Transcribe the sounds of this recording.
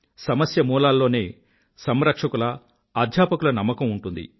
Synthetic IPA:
sɐmɐsjɐmuːlaːlːo̞ːne̞ː | sɐmɾɐkʂɐkulɐ | aːd̪ʱjaːpɐkulɐnɐmːɐkɐmuɳʈund̪ḭ

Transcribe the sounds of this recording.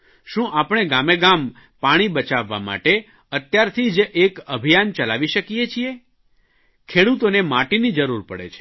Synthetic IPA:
ʃũʔapəɽ̃eɡameɡam | paɽ̃ibət͡ʃaʋːa̰ma̰ʈe | ət̪jaɾt̪ʰid͡ʒekəbʱijant͡ʃəlaʋiʃəkiet͡ʃʰie | kʰeɽut̪onemaʈinid͡ʒəɾuɾpəɽḛt͡ʃʰe̥

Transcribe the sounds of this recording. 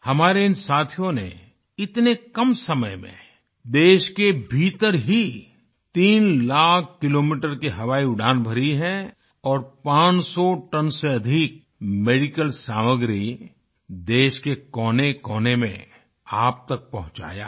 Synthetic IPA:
hɐmaːɾeɪnsaːt̪ʰijõnḛ | ɪt̪nekɐmsɐməjmḛ̃ | d̪eːʃkebʱiːt̪əɾɦi | t̪iːnlaːkʰkɪloːmiːʈəɾkiɦɐʋaːiʊɖʱaːnbʱɐɾiɦɛ̃ | ɔːɾpãːt͡ʃsɔʈənseɐd̪ʱik̚ | meːɖɪkəlsaːməɡɾi | d̪eːʃkekɔːnekɔːnemḛ̃ | aːp̚t̪ɐk̚pɐɦʊ̃t͡ʃa̰ːja̰ː

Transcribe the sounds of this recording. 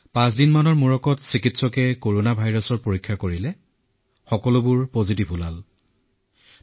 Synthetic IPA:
pãs̬dinmanɔɹmuɹɔkɔtsikitsɔkɛkoɹonabʱajɹɔsɔɹpoɹikʰːakoɹilɛ | xɔkɔlʊbʊɹpozitibʱulal

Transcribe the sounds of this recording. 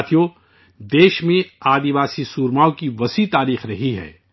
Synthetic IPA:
t̪ʰijo | d̪eːʃmẽaːd̪iʋaːsisuːɾmaːokiʋɐsit̪aːɾiːxɾɐɦiɦɛ̰ː

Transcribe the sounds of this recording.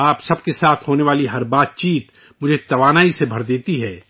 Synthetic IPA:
aːpsɐb̚kesaːt̪ʰɦoːneʋaːliɦɐɾbaːt̪̚t͡ʃiːt̪ | mʊd͡ʒʱet̪ɐʋaːnaːisebʱɐɾd̪eːt̪iɦɛː

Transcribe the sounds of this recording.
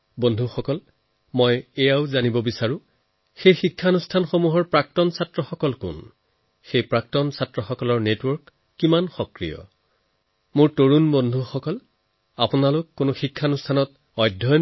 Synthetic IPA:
bondʱuxɔkɔl | mɔjɛjaʊzanibɔbisaɹʊ̃ | xejxikʰːanustʰanxomuɦɔɹpɹak̚tɔnsatɹɔxɔkɔlkʊ̰n | xejpɹak̚tɔnsatɹɔxɔkɔlɔɹnetwɔɹkː | imanxɔkɹḭjɔ̰ | mʊɹtoɹunbondʱuxɔkɔl | apʊnalʊkːʊnʊxikʰːanustʰanɔt̚ | ɔjdʱːɔj

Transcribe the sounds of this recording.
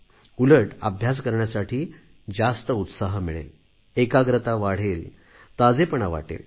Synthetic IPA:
uləʈəbʱjaskəɾɳjasaʈʰiː | d͡zast̪əut̪saɦmiɭḛl | ekaɡɾət̪aʋaɽ̤el | t̪ad͡zepəɳaʋa̰ʈḛl

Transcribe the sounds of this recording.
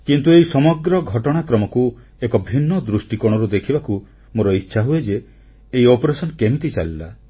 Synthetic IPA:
kint̪ueisɔmɔɡɾɔɡʱɔʈɔɽ̃akɾɔmɔku | ekɔbʱinːɔd̪ɾusʈikɔɽ̃ɔɾud̪ekʰibaku | moɾɔitːʃʰaɦued͡ʒeː | iopɔɾesɔnkemit̪it͡ʃalila

